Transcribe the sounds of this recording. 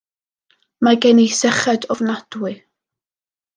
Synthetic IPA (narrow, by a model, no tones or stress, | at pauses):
maɡɛnejsɛχɛdɔvnad̥wɨ